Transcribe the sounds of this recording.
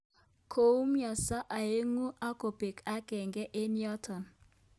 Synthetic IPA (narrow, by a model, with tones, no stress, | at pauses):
kʰo˨u˦mjɔ˨sa˦ʔa˨e˦ŋu˦ʔa˦ko˨be˨ka˦kɛ˨ŋɡɛ˦ʔe˦njɔ˦tʰɔ˨n